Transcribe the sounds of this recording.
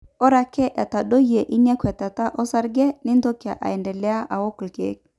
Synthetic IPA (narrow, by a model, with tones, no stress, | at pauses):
ɔ˦ɾa˨kɛ˦ʔa˨ta˨ɗo˦je˨ʔi˦nɛ˦kwɛ˨ta˨ta˦ʔɔ˦sa˦ɾɡɛ˦nɪ˦ndo˦kja˨ʔa̰˨ɛ˨ndɛ˨lɛ˦a˦ʔa˨wo˦klkḛ˨˦k̚